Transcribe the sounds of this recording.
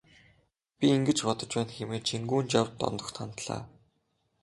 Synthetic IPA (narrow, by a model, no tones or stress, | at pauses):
pʲiiŋɡɘ̆t͡ɕpɔt̪ɞ̆t͡ɕpæːnxemeːt͡ɕʰiŋɡuːnt͡ɕjawt̪ːɔ̰nt̪ɞ̆xt̪ʰant̪ɮa̰ː